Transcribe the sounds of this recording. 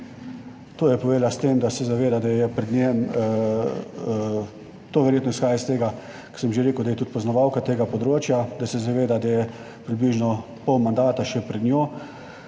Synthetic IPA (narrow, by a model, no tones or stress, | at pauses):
t̪oːjɛpɔʋeːd̪last̪eːmd̪asɛzaʋeːd̪ad̪ajɛpɾɛd̪nʲem | t̪oːʋɛɾjeːt̪nɔɪsxaːjast̪eːɡa | kɔ̥səmʒeɾeːkʊwd̪ajɛt̪ut̪pɔznɔʋawkat̪eːɡapɔd̪ɾoːt͡ʃjad̪asɛzaʋeːd̪ad̪ajɛ | pɾibliːʒnɔ | pɔwmand̪aːt̪aʃɛpɾɛd̪njoː